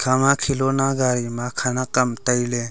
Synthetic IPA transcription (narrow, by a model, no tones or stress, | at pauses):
kʰamakʰilonaɡaɾimakʰanakamtəjle